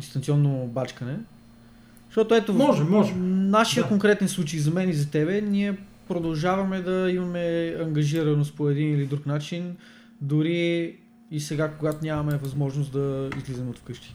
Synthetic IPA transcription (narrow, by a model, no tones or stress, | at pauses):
d̪ist̪ɐnt̪siɔnːobat͡ʃkɐnɛ | ʃt̪ɔt̪oɛt̪omɔɛmɔʒnaʃiəkoŋkɾɛt̪ɛnslˠut͡ʃejzɐmɛnizɐt̪ɛbɛniɛ | pɾod̪ɐlˠʒavɐmɛd̪ɐimɐmɛɐŋɡɐʒiɾɐnospoɛd̪inilid̪ɾuknat͡ʃin | d̪ʊɾiː | sɛɡakoɡat̪onʲamɐmɛvɐzmɔʒnosd̪ɐḭzlizɛmot̪fkɤʃt̪i̥